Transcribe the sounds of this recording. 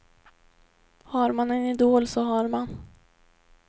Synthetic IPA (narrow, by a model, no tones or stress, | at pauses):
haɾmanɛnɪd̪oːlsɔɦaɾman